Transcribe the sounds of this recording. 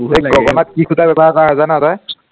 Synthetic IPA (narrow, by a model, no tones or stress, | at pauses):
bɦejɡɔɡɔnat̚kikʰutabɛbaɦakɔaɦɔzanataj